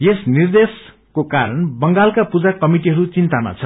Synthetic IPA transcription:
jesnird̪es | kokaɾʌnbʌŋɡalkapud͡zakʌmiʈiɦʌɾut͡sint̪ama̰t͡sʰʌ

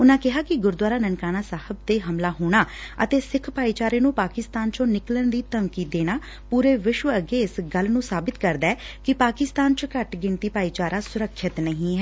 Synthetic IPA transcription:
ʊnãːkɪɦaːkɪɡʊɾd̪waːɾaːnənkaːnaːsahəbt̪eːɦəmlaːɦoːɽ̃aːət̪eːsɪkʰpaːit͡ʃaːɾeːnũːpaːkɪst̪aːnt͡ʃõːnɪklənd̪iːt̪əmkiːt̪̚d̪eːɽ̃aː | puːɾeːʋɪʃʋəəɡeːɪsɡəlnũːsaːbɪt̪kəɾd̪aːɛːkɪpaːkɪst̪aːnt͡ʃəkəʈɡɪɳt̪iːpaːiːt͡ʃaːɾaːsʊɾəkʰːɪt̪nəɦĩːɦɛː

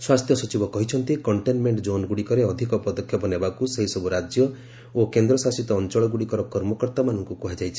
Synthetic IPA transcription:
swast̪jɔsɔt͡ʃibɔkɔɦit͡ʃʰɔnt̪ikɔɳʈenmeɳʈd͡ʒonɡuɽikɔɾeɔd̪ʱikɔpɔd̪ɔkʰjɔbʱɔnebakuseɦisɔbuɾad͡ʒjɔ | okend̪ɾɔsasit̪ɔːnt͡ʃɔɭɔɡuɽikɔɾɔkɔɾmɔkɔɾt̪amanɔŋkukuɦad͡ʒajt͡ʃʰi̥

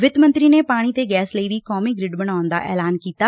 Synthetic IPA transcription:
ʋɪt̪mə̃nt̪ɾinepaːɽ̃it̪eɡɛːsləiʋikɔːmiɡɾɪɖbɐɽ̃aːʊə̃nd̪a̰ʔɛ̰ːlaːnkiːt̪a

